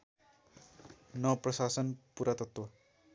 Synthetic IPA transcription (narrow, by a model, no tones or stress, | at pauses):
nʌprʌsasʌnpuɾat̪ʌt̪wʌ